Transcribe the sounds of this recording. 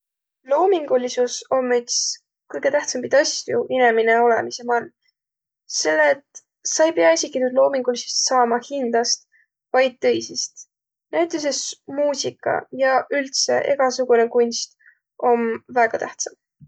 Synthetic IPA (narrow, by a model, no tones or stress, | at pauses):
lo̞ːmiŋɡ̥ulisuso̞mːyt̪s | kɯjɡ̥e̞t̪æht̪sɑmpid̪ɑsuine̞mineo̞le̞̰mise̞mɑl | se̞lːet̪ | sɑjbeɑisʲikːˑinud̪̥lo̞ːmiŋɡ̥ulisest̪sɑːmɑhind̪̥ɑst̪ | vɑjd̪̥̚t̪ːɤ̞jsist̪ | næjt̪ːˑes̬esmuːsikːɑ̰jɑʔylt̪se̞̰ʔe̞̰ɡ̥ɑsuɡ̥une̞kunʲst̪ | o̞nvæːɡ̥ɑt̪æht̪sɑm